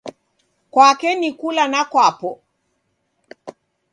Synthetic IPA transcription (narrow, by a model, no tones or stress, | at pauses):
kwakɛnikulanakwapɔ